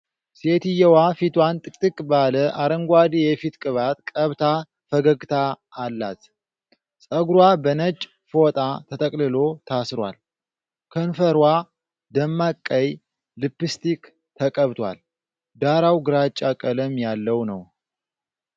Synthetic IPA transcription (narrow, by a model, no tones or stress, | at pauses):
set̪ɨjɛwafit̪ʰwant̪ʼɨkʼt̪ʼɨkʼbaləʔaɾəŋɡʷad̪ijɛfit̪kʼɨβat̪kʼəβt̪ʰa | fəɡəɡt̪ʰaː | lːa̰t̪ | sʼəɡɾwabənət͡ʃʼː | fot̪ʼat̪ʰət̪ʰʼəkʼlɨlo̞t̪ʰasɾwa̰l | kʰənfəɾwa | d̪əmːakʼːəj | lɨpːɨst̪ʰik | t̪ʰəkʼəβt̪ʰwa̰l | d̪aɾawɡɨɾat͡ʃʼːakʼələmjalːəwnəw